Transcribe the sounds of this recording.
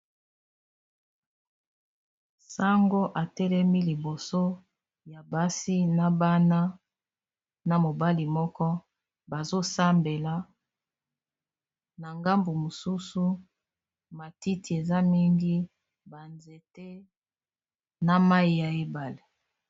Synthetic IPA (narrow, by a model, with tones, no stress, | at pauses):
sa˦ŋɡo˦ʔa˨tɛ˦lɛ˦mi˦li˨bo˨so˦ | ja˨ba˦si˦na˨ba˦na˦ | na˨mo˨ba˦li˨mɔ˦kɔ˦ | ba˨zo˦sa˦mbe˨la˨ | na˨ŋɡa˦mbu˨mo˨su˦su˦ | ma˨ti˦ti˨e˨za˦mi˦ŋɡi˦ | ba˨nze˨te˦ | na˦ma˦i˨ja˨e˦ba˨le˨